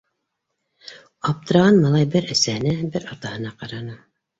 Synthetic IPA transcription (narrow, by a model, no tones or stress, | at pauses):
ɑp̚t̪ɤ̆ɾɑʁɑnmɑlˠɑjbɘɾæsæhɘ̆næbɘɾɑt̪ɑhɤ̆nɑqɑɾɑnɤ